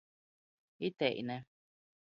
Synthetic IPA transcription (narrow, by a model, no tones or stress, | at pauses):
it̪eʔḭnẽ